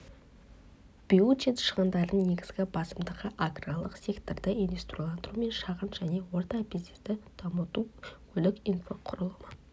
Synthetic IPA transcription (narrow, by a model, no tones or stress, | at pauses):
b̥iut͡ʃet̪ʃəʁɑnd̪ɑɾd̪əɴne̞ɡʲɪzɡʲɪbɑsəmd̪əʁəʔaɡralˠəqsʲe̞kt̪ord̪əindvʲest̪rialˠɑnd̪əɾume̞nʃɑʁənʒ̥æne̞wo̞ɾt̪ɑpizist̪ɪd̪̥ʰɑmut̪ukʲʰɵlɪkinfo̞qʰʊɾəlˠəmə